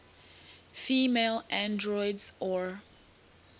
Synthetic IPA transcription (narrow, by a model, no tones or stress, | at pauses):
fiːmelʔãndɹɔjdzɔ